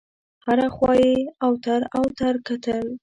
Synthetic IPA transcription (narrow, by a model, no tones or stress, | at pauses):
haɾaxwɑjeawt̪aɾawt̪aɾkat̪əl